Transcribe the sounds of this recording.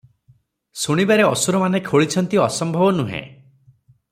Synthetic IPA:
suɽ̃ibaɾeɔsuɾɔmanekʰoɭit͡ʃʰɔnt̪iɔsɔmbʱɔbɔnuɦḛ̃

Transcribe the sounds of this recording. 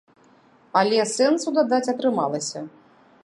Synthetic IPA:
ɐlʲɛsɛnt̪sud̪ad̪at͡sʲɐt̪ɾɨma̰lˠɐsʲɐ

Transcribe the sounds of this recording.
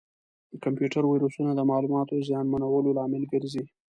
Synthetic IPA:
kampjuʈaɾwajɾosunad̪əmɑlumɑt̪ozjɑnmanawəlolɑmɪlɡəɾzi

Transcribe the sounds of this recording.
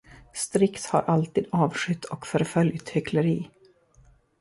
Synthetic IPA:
st̪ɾɪkt̪ha̰ɾʔalt̪iːd̪ɑːvʂʏt̪ʰːɔkfœɾfœljt̪hʏkʰləɾiː

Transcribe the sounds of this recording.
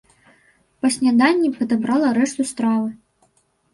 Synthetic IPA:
pɐsʲnʲad̪anʲːipɐd̪abɾalˠɐɾɛʂt̪ust̪ɾavɨ

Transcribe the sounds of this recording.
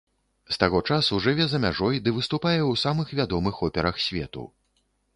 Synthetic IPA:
st̪aɣɔt͡ʂasuʐɨvʲɛzɐmʲaʐɔjd̪ɨvɨst̪upajɛwsamɨxvʲad̪ɔmɨxɔpʲɛɾɐxsʲvʲɛ̰t̪ṵ

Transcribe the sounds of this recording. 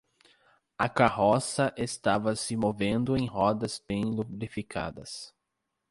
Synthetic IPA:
ɐkaɦɔsɐʔest̪avɐsɪmovẽnd̪ʊẽj̃ɦɔd̪ɐzbẽj̃lublifikʰa̰d̪ɐ̰s

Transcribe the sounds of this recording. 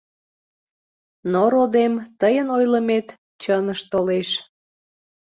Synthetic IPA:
noɾod̪emt̪əjənojləmet̪ | t͡ɕənəʃt̪oleʃ

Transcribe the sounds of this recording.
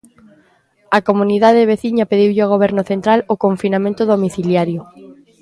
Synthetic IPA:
akomuniðaðβ̞eθiɲapeðiwʎɪaɣ̞oβ̞ɛɾnʊθent̪ɾalokoɱfinamẽnt̪ʊðomiθiljaɾjo

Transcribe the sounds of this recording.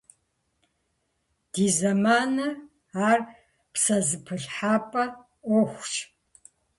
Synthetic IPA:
d̥iːzɐmaːnɐ | aːr | psɐzɨpʰɨɬħaːpʼɐ | ɔxʷt͡ʃ

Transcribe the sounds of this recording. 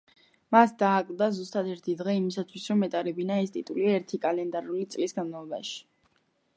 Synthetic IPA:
masd̪aːkʼlˠd̪azust̪ʼad̪ɛɾt̪ʰid̪ʁɛimisat̪ʰwisɾɔmːɛt̪ʼaɾɛbinaɛst̪ʼit̪ʼuliaɛɾt̪ʰikʼalɛnd̪aɾulit̪sʼlisɡanmalˠɔba̰ʃi̥

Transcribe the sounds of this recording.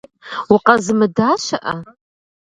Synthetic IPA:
wʊqɐzɨmɨdaːʃɐʔɐ

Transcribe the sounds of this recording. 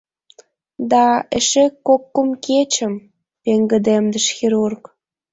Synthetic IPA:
d̪ɑeʃekːokːəmket͡ɕə̆m | peŋɡə̆d̪emd̪əʃxiɾurk

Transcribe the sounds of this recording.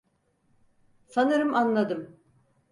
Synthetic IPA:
sanɯɾɯmʔanlˠad̪ɯm

